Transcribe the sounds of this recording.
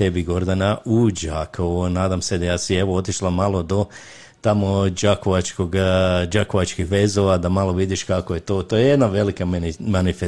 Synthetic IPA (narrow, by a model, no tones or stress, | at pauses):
t̪ebiɡo̞ɾd̪anaʔud͡ʒakʰonaːd̪amse̞d̪ajaːsie̞ʋoo̞t̪iʃlˠamalˠo̞d̪o̞ | t̪amod͡ʒakoʋat͡ʃkoɡd͡ʒakoʋat͡ʃkixʋe̞zoʋad̪amalˠo̞ʋid̪iʃkakojet̪o̞ːt̪ojejed̪naʋe̞likamanife